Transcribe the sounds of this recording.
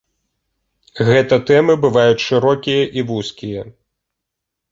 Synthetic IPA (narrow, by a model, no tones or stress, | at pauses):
ɣɛt̪ɐt̪ɛmɨbɨvajut͡sʂɨɾɔkʲijɐʔivuskʲijɐ